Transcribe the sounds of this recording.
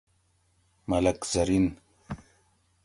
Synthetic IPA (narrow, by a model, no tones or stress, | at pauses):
mɐlɐkzɐɾin